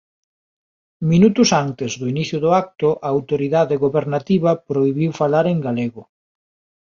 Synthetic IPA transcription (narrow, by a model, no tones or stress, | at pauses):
minut̪ʊsant̪ɪzðʊiniθjʊðʊak̚t̪ʊʔɐːwt̪oɾiðaðeɣoβeɾnat̪iβɐpɾojβiwfalaɾeŋɡaleɣʊ